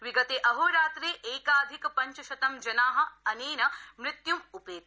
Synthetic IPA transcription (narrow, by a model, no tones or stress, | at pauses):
ʋiɡɐt̪eːʔɐɦoːɾaːt̪ɾeːʔeːkaːd̪ʱikpɐɲt͡ʃɐʃɐt̪ɐmd͡ʒɐnaːɦɐɐneːnɐmɾɪt̪jumupeː